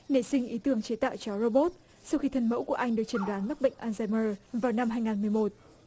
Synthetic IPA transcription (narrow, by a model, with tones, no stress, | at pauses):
ne˧˩sï˧ŋ̟ʔi˨˦t̪ɨ˧˩əŋt͡ɕe˨˦t̪a̰ː˧˨wt͡ɕɔ˧˩ɹo˧ɓo˦˥t̚ | sa˧wxi˧t̪ʰə˧nmə̰˧˥wku˧˩əʔa˧jŋ̟ɗɨ˨˩ək̚t͡ɕə˨˦nɗwaː˨˦nma˦˥k͡p̚ɓə̰˧˨ŋ̟ʔaː˧nzaː˧məː˧vaː˨˩wna˧mɦaː˧jŋaː˨˩nmɨ˨˩əjmo˨˩t̚